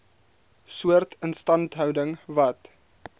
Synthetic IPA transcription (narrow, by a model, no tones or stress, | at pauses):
suərtʰənstɐntɦœwdəŋvɐt